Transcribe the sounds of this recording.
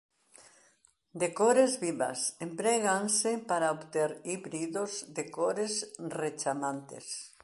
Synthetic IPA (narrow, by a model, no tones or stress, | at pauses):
d̪ekoɾezβiβa̰sempɾɛɣansepaɾaobt̪eɾiβɾiðozd̪ekoɾezret͡ʃamãnt̪ḛs